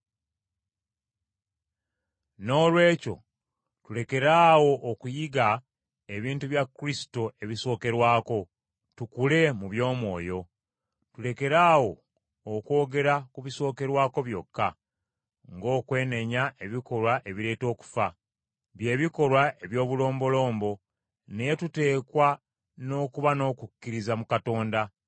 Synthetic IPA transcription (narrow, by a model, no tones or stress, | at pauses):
no̞ːlwe̞ːco̞̰ | tule̞ke̞ɾaːwo̞ʔːkujiɡa | e̞βiːntuβjakːɾisi̥to̞ʔe̞βiso̞ːke̞ɾwaːko̞ | tukule̞muβjo̞ːmwo̞ːjo̞ | tule̞ke̞ɾaːwo̞ː | kwo̞ːɡe̞ɾakuβiso̞ːke̞ɾwaːko̞βjo̞kːa | ŋɡo̞ːkwe̞ːne̞ɲaʔe̞βiko̞lwaʔe̞βiɾe̞ːto̞ːku̥fa | βje̞ːβiko̞lwaʔe̞βjo̞ːβulo̞ːmbo̞lo̞ːmbo̞ | ne̞jetute̞ːkwa | no̞ːkuβano̞ːkukːiɾizamukato̞ːnda